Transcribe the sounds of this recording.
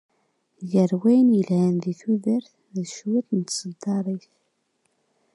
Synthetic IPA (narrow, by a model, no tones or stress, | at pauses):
jəɾwæjənjəlhənðiθuðəɾθ | ðʃwit̪nət̪ːsəd̪ɑɾˤiθ